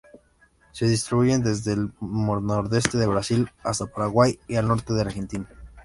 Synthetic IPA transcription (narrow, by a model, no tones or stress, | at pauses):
se̞ðist̪ɾiβuʝe̞nd̪e̞zðelmoɾnoɾðe̞st̪e̞ðe̞βɾasilast̪apaɾaɣwajialno̞ɾt̪eðe̞aɾxe̞nt̪ina